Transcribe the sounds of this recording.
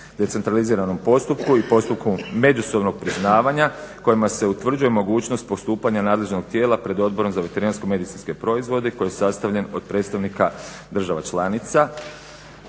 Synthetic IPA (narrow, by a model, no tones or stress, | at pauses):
d̪e̞t̪se̞nt̪ɾaliziːɾano̞mpo̞st̪upkuipo̞st̪upkumme̞d͡ʒuso̞bno̞ɡ̚pɾiznaːʋaɲako̞imase̞ut̪ʋr̩d͡ʒuje̞mo̞ɡuːt͡ʃno̞st̪̚po̞st̪uːpaɲanaːd̪le̞ʒno̞ɡ̥̚t̪je̞ːlapɾe̞d̪o̞d̪̚bo̞ɾo̞mzaʋe̞t̪e̞ɾinanskome̞d̪it̪sinske̞pɾo̞izʋo̞d̪eko̞jijesast̪aʋʎe̞no̞̰d̪̚pɾe̞d̪t̪st̪aʋnika | d̪r̩ʒaʋat͡ʃlˠanit̪sa